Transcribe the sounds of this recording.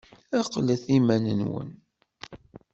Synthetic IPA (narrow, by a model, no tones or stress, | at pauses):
æqləθimænə̰nwə̰n